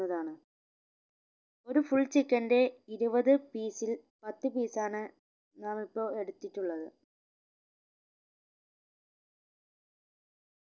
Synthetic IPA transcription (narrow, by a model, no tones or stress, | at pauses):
ɐðaːɳɨ | o̞ɾufuɭt͡ɕikːɐnde̞iɾubɐðɨpiːsil | pɐt̪ːɨpiːsaːɳɨ | naːmipːo̞ːe̞ɽut̪ːiʈːuɭːɐðɨ